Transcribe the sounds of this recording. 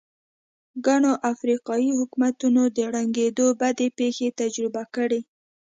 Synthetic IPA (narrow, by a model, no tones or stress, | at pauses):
ɡaɳoʔafɾiqɑjihʊkumat̪unod̪əɽaŋɡed̪obad̪epexet̪ad͡ʒɾɪbakəɽe